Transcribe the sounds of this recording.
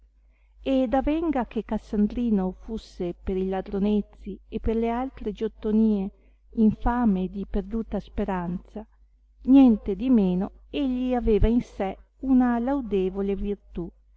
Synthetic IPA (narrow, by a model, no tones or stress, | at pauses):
ed̪avɛŋɡakekːasːand̪ɾiːnofusːepeɾilad̪ɾonet̪sːiepːerlealt̪ɾed͡ʒot̪ːoniːe | iɱfaːmed̪iperd̪uːt̪aspeɾant̪sa | njɛnt̪ed̪imeːno | eʎːiaveːvainsɛ | unalawd̪eːvolevirt̪u